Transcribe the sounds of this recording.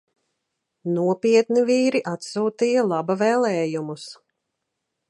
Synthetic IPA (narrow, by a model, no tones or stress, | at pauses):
nuɔpiɛt̪niviːɾiʔat̪suːt̪ijalˠabavɛːlˠɛːjumus